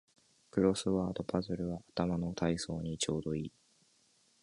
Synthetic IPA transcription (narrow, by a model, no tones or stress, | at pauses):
kɯ̟ɾo̞sɨβaːd̪o̞pʰazɨɾɯ̟βaat̪amano̞t̪ʰaiso̞ːɲ̟it͡ɕo̞ːd̪o̞iː